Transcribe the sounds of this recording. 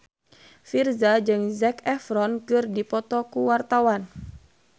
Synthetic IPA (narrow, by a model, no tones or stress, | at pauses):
firzad͡ʒɨŋzɛkɛfɾɔnkɨrdipɔt̪ɔkuwart̪awan